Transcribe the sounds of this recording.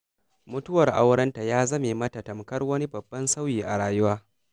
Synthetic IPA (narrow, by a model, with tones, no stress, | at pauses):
mʊ˦tʊ˦wɐ˨rʔa˦wɽɐ˦nta˨jaː˦zɐ˦me˨mɐ˦ta˨tɐ˨mkɐ˦rwɐ˦ni˦bɐ˨bːɐ˦nsa˦wjiː˨ʔa˨ɽaː˨jʊ˦waː˦